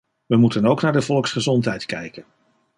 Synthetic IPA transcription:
ʋəmutənowknaːɹdəvɔlˠksχəzɔntɦɛjtkɛjkən

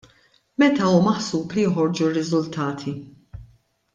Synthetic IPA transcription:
mɛt̪ɐuːmɐħsuːplijɔħɔɾd͡ʒurːɪzʊlt̪ʰɐːt̪ʰi

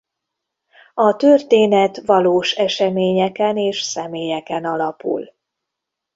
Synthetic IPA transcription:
ɒt̪ørt̪eːnɛt̪ʋɒloːʃɛʃɛmeːɲɛkɛneːʃsɛmeːjɛkɛnɒlɒpṵl

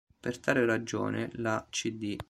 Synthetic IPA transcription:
pert̪aːɾerad͡ʒo̰ːnḛlat͡ʃid̪i

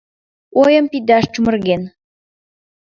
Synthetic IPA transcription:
ojəmpid̪ɑʃt͡ʃumə̆rɣen

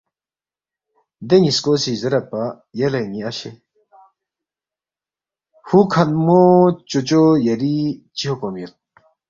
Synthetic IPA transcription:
d̪eŋiskosizɐɾɐpa | jelɐniɐɕe | hukʰɐnmot͡ɕot͡ɕojɐɾit͡ɕiɦokomil

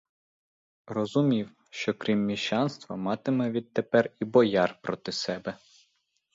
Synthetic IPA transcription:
rɔzʊmʲiw | ʃt͡ʃɔkɾʲimːʲiʃt͡ʃɑnst̪ʋɐmɑt̪ɪmɛʋʲid̪̚t̪epɛribɔjɑrpɾɔt̪ɪsɛbɛ

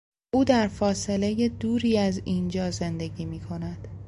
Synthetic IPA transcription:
uːd̪æɾfɒːse̞le̞je̞d̪uːɾiːæzind͡ʒɒːze̞nd̪e̞ɟiːmiːkʰo̞næd̪̥

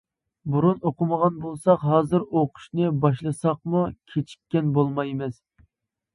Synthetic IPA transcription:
buɾunoqʊməʁɑnbolˠsɑqɦɑːzɨɾoqʰʊ̥ʃnɨbɑʃlˠɨsɑqmukʲʰet͡ʃʰi̥kʲːɛnbolˠmɑjmɪs

